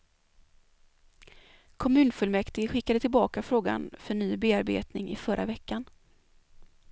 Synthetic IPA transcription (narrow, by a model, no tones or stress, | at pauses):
kʰɔmʉ̟ːnfɵlmɛkt̪ɪɡɧɪkːad̪ət̪ɪlbɑːkafɾoːɡa̰nfœɳyːbeːaɾbḛːt̪nɪŋɪ̰fœɾʔa̰vɛkːan